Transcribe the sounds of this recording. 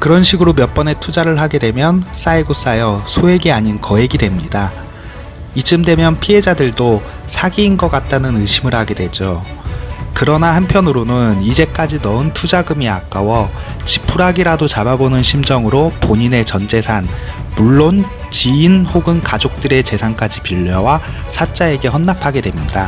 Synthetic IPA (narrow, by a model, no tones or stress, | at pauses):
kɯɾʌnɕʰiɡɯɾomjʌp͈ʌne̞tʰud͡ʑaɾɯɭɦaɡe̞dwe̞mjʌns͈aiɡos͈ajʌsʰoe̞ɡiaɲinkʌe̞ɡidwe̞mɲida | it͡ɕ͈ɯmdwe̞mjʌnpʰiɦe̞d͡ʑadɯɭdo | sʰaɡiːnɡʌk͈at̚t͈anɯnɯɕʰimɯɭhaɡe̞dwe̞d͡ʑo | kɯɾʌnahanpʰjʌnɯɾonɯnid͡ʑe̞k͈ad͡ʑinʌɯntʰud͡ʑaɡɯmiak͈awʌ | t͡ɕipʰuɾaɡiɾadot͡ɕababonɯnɕʰimd͡ʑʌŋɯɾopoɲine̞t͡ɕʌnd͡ʑe̞sʰanmuɭːon | t͡ɕiːnhoɡɯnkad͡ʑok̚t͈ɯɾe̞t͡ɕe̞sʰaŋk͈ad͡ʑipiʎːʌwa | sʰat͡ɕ͈ae̞ɡe̞hʌnːapʰaɡe̞dwe̞mɲida